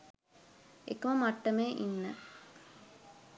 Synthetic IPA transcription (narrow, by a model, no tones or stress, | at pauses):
ḛkəməmaʈːəmeːʔinːə